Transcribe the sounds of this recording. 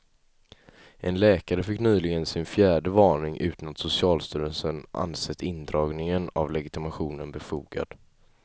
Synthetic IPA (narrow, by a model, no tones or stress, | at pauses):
ʔɛnlɛːkaɾəfɪkːnyːlɪɡənsɪnfjæːɖəvɑːɳɪŋʔʉ̟ːt̪ʰanat̪sʊsɪɑːlst̪yːɾənsənʔa̰nsɛt̪ʰːɪnd̪ɾɑːɡnɪŋənavlɛɡɪt̪ɪmaɧuːnənbɛfuːɡa̰d̪̥